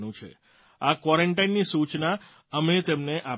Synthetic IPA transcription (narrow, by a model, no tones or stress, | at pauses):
nũt͡ʃʰḛ | akwɔɾəɳʈajnːisut͡ʃna | əmet̪emneʔa